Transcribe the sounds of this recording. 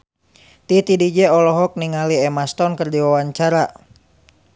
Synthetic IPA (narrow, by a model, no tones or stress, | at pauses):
t̪it̪idid͡ʒɛɔlɔɦɔk̚niŋaliɛmast̪ɔnkərdiwawaɲt͡ʃaɾa